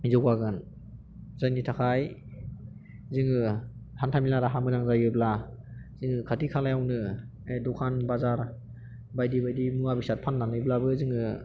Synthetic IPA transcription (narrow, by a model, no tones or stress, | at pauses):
zɔkwaɡɯn | zajnitʰakʰaj | zɯŋɯhʰantʰamilaɾaɦamɯzaŋzajɯbla | zɯŋɯkʰatikʰalajawnɯ | edɔkʰanbazaɾ | bajdibajdimuabisat̚pʰanːanɯjblabɯzɯŋɯ